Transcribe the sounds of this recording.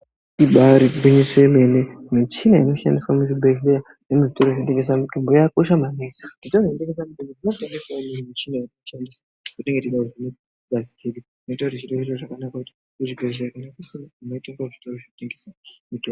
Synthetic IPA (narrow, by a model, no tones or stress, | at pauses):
iɓaɾibʱiɲisemenemit͡ʃinainoʃa̰ndiswamut͡ʃibʱeʒeja | nemuʐito̞ɾoʐnoteŋɡes̬amutombojakoʃamaneaʐitoroʐinoteŋɡes̬amutombodinouteŋɡesaomunimit͡ʃinairkuʃandisa | kuteŋɡetiɗauʐino | ɡʱaziteɗu | noitarit͡ʃiɗeŋɡesaʐakanakakuti̥ | kuʐibʱeʒejakanakusinainoitoŋɡauʐitoroʐoteŋɡesamitob